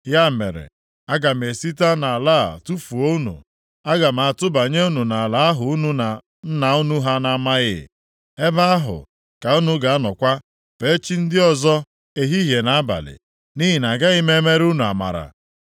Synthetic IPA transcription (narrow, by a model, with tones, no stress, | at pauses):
ja˦mḛ˨ɾḛ˨ | a˦ɡa˨m̩˨e˨si˦ta˦na˨a˨la˦˨tu˦fu˨o˦u˦nṵ˨ | a˦ɡa˨m̩˨a˨tʊ˦ba˨ɲe˦u˦nu˨na˨la˦a˦ɦʊ˨u˦nu˦na˨ | n̩˦na˨u˦nu˦ɦa˦na˦ma˦ɣɪ̰˦˨ | e˦ba˦a˦ɦʊ̰˨ | ka˨u˦nu˦ɡa˨a˦nɔ˨kʷa˦ | pe˨˦t͡ʃi˦n̩˦dɪ˦ɔ˨zɔ˦ | e˨ɦi˦ɦje˨na˨a˦ba̰˨lɪ̰˨ | ni˦ɦi˨na˨ɡa˦ɣɪ˦me˦me˦ɾu˦nu˨a̰˨ma̰˨ɾa̰˨